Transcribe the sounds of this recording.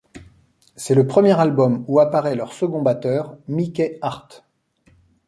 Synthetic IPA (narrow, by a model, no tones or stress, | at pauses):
sɛləpχəmjɛʁalbɔmuapaʁɛlœʁsəɡɔ̃bat̪œːʁmikʲɛaʁt̪